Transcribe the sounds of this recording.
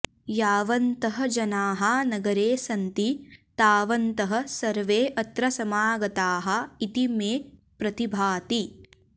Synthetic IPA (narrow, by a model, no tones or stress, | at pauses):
jaːʋɐnt̪ɐɦɐ̆d͡ʒɐnaːɦɐnɐɡɐɾeːsɐnt̪it̪aːʋɐnt̪ɐɦɐ̆sɐɾʋeːʔɐt̪ɾɐsɐmaːɡɐt̪aːɦɐ̆it̪imeː | pɾɐt̪ibʱaːt̪i